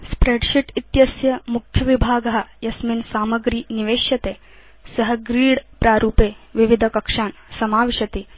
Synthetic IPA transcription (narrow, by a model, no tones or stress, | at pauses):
spɾeɖɕiʈit̪jɐsjɐmukʰjɐʋibʱaːɡɐɦajɐsminsaːməɡɾiːniʋeːɕjɐt̪eː | səɦəɡɾiːɽpɾaːɾuːpeʋiʋid̪ʱəkɐkʂaːnsɐmaːʋiɕɐt̪iː